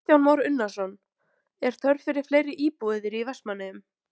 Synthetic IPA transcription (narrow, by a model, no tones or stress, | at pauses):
θjawnmawɾʏnːasɔn | ɛɾ̥t̪ʰœɾfɪɾɪɾ̥fleːjɾɪʔiːpuɪðɪɾivɛsmanːɪʏm